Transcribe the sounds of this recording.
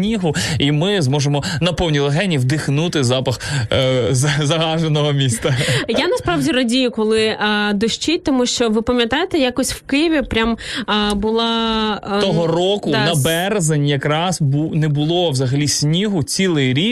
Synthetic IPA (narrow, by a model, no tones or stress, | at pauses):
nʲiɦʊimɪzmɔʒemɔnɐpɔwnʲilˠeɦɛnʲiwd̪ɪxnut̪ɪzɑpɐx | zzɐɦɑʒenɔɦɔmʲist̪ɐjanɐspɾɑʋdʲirɐdʲijʊkɔlˠɪd̪ɔʃt͡ʃit̚ʲt̪ɔmuʃt͡ʃɔʋɪpɐmʲjɐt̪ɑjet̪ɛjakɔsʲwkɪjɪʋʲipɾʲambʊlˠɑt̪ɔɦɔrɔkʊnɐbɛrzenʲjɐkɾɑzbunɛbʊlˠɔwzɐɦɐlʲisʲnʲiɦʊt͡sʲilˠɪjɾʲi